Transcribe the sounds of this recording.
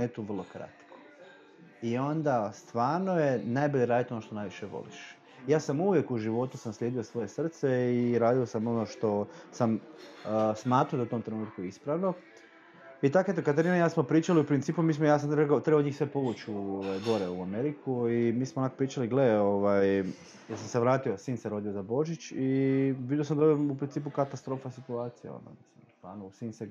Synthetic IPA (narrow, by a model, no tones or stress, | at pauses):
net̪uːʋrlˠo̞kɾa̰t̪ko̥ | io̞nd̪ast̪ʋaːɾno̞je̞najboʎeɾaːd̪it̪o̞noʃt̪o̞najʋiʃeʋo̰lḭʃ | jaːsamuʋje̞kuʒiʋo̞t̪usamslʲeːd̪iosʋo̞jesr̩t̪seiɾaːd̪io̞samo̞noʃt̪o̞sam | smaːt̪ɾaoaut̪o̞mt̪ɾe̞nuːt̪̚kujeispɾaʋno̞ | it̪aket̪̬okat̪eɾinajaːsmopɾiːt͡ʃaliupɾint̪iːpumiːsmojaːsamt̪ɾebaot̪ɾebod̪ɲiːxsʋepo̞ʋut͡ʃuoʋajɡo̞ɾeuame̞ɾikʰuimiːsmoonakopɾiːt͡ʃaliɡle̞o̞ʋaj | jeɾsamseʋɾaːt̪io̞siːnseɾo̞d̪ijo̞zabo̞ʒit͡ʃiʋid̪josamd̪aupɾint̪iːpukat̪ast̪ɾo̞ːfasit̪uaːt̪sijḛo̰nd̪o̰misḭmsla̰ːnosiːnse